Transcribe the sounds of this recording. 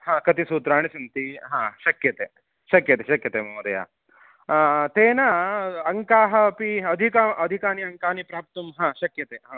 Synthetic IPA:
hãːkɐt̪isuːt̪ɾaːɳ̃isɐnt̪iɦãːʃɐkjɐt̪eː | ʃɐkjɐt̪eʃɐkjɐt̪eːmoːɾɐ̰ja̰ː | t̪eːnɐɐŋkaːɦɐpiɐd̪ʱikamʔɐd̪ʱikaːniɐŋkaːnipɾaːp̚t̪ɐmɦãːʃɐkjɐt̪eːɦãː

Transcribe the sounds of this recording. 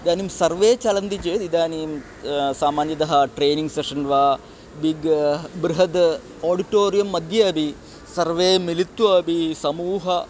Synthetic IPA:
id̪aːnimsɐɾʋeːt͡ʃɐlɐnt̪id͡ʒeːd̪id̪aːnim | saːmaːnjɐd̪ɐɦɐ̆ʈɾeːniŋɡseʂɐnʋaː | biɡbɾiɦɐd̪ | oːɖiʈoːɾijɐmːɐd̪ʱjɐɐbʱi | sɐɾʋeːmilit̪ːuɐbʱisɐmuːɦɐ

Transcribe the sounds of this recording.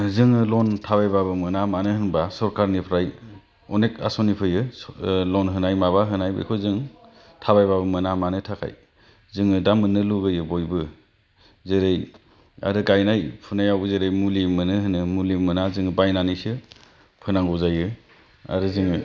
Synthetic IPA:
zɯŋɯlɔntʰaβajbabɯmɯnamanɯhɯnbasɔɾkaɾnipʰɾaj | ɔneka̰sɔnipʰɯjɯlɔnɦɯnajmaβaɦɯnajbɯ̰jkʰozɯŋ | tʰaβajbabɯmɯnamanɯtʰakʰa̰j | zɯŋɯdamːɯnɯluɡɯjɯbojbɯ | zeɾej | a̰ɾɯɡajnajpʰunajawbɯzeɾejmulimɯnɯɦɯnɯmulimɯnazɯŋɯbajnanijsɯ | pʰɯnaŋɡɯwzajɯ | a̰ɾɯzɯŋɯ

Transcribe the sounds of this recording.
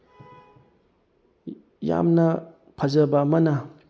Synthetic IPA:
ja̰mnɐ | pʰazɐbamɐna

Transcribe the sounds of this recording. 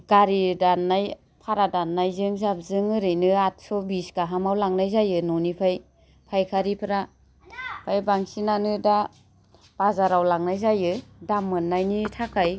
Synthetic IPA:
ɡ̥aɾidanːaj | pʰaɾadanːajzɯŋzap̚zɯŋɯɾɯjnɯat̚sɔbiskaɦamawlaŋnajzajɯnɔnipʰaj | pʰajkʰaɾipʰɾa | pʰajbaŋsinanɯda | b̥azaɾawlaŋnajzajɯdamːɯnːajnitʰakʰaj

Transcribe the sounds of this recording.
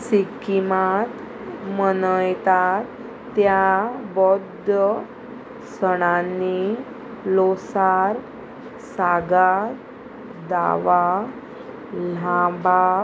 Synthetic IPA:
sikimat̪ | mənəjt̪at̪ː | jabɔd̪ə | səɽ̃anːi | lɔsaɾ | saɡa | d̪a̰ʋa | lãba

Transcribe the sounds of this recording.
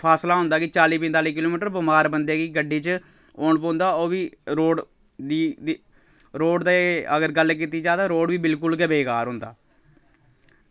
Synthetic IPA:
pʰaːslaːɦʊ̃nd̪aːkɪt͡ʃaːliːpɪ̃nt̪aːliːkɪloːmiːʈəɾbəmaːɾbənd̪eːkiɡəɖiːt͡ʃ | oːɳpõːnd̪aːoːʋiːɾoːɖ | d̪iː | ɾoːɖd̪aəɡəɾɡəlk̬iːt̪iːd͡ʒaːt̪ãːɾoːɖʋiːbɪlkʊlkɛbeːkaːɾɦʊ̃nd̪a̰ː

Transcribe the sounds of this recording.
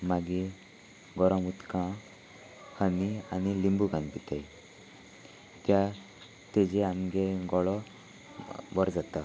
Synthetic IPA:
maɡi | ɡɔɾãmut̪kã | hənianilimbuɡãnpit̪aj | t̪ja | t̪ed͡ʑeamɡeɡɔɭɔ | bɔɾd͡zat̪a

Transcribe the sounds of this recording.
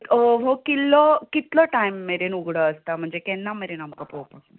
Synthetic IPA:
ɦokilːəkit̪ləʈajmːeɾenuɡɽəəst̪am̤əɳd͡zekɛnːameɾenamkəpopa

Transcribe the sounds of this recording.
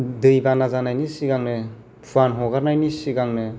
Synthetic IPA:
dɯjbanazanajnisiɡaŋnɯ | pʰuanɦɔɡaɾnajnisiɡaŋnɯ

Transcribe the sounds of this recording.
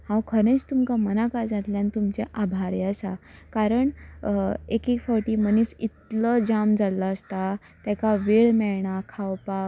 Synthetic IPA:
hãwkʰəɾ̃ẽt͡st̪umkamənakad͡zat̪ljãnt̪umt͡ɕeʔabʱaɾeəsakaɾəɳ | ekikfɔɾʈiməniːsit̪ləd͡ʑamd͡zalːaəst̪a | t̪jɛkaʋeɭmɛɭɳakʰawpak

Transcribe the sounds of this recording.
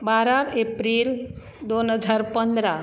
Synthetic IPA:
baɾaepɾiːl | d̪onɦəd͡zaɾpənd̪ɾa

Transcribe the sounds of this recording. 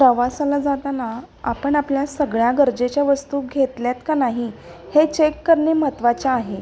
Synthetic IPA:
pɾəʋasalad͡zat̪ana | apəɳapljasəɡɭjaɡəɾd͡ʑet͡ɕjaʋəst̪uːɡʱet̪ljat̪kanaɦihet͡ɕekːəɾɳeːm̤ət̪ʋat͡ɕaːɦe

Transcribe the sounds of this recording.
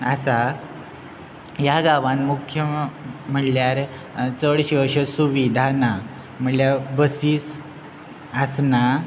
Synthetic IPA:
əsa | jaɡaʋãnmukʰjəm̤əɽljaɾ | t͡səɭɕiəɕəsuʋid̪ʱana | m̤əɳljabəsiːs | əsna

